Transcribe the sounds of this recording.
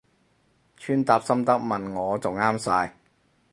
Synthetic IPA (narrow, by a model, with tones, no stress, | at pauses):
t͡ʃʰyː˥˩nt̪aː˧˩p̚sɐ˥mt̪ɐ˥k̚mɐ˨nŋɔː˨˥t͡sʊ˨˩ŋaː˥msaː˧j